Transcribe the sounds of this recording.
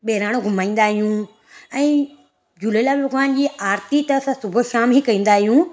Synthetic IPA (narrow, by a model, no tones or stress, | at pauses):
ɓeːɾaːɽ̃õɡʱʊmaːĩːnd̪aːɦijũ | ɛ̃ː | d͡ʑʊlelaːbɐɡaːnd͡ʑiːaːɾt̪it̪ɐɐsãsʊbʱʊ̆ʃaːmikɐĩːn̆d̪aːɦijũ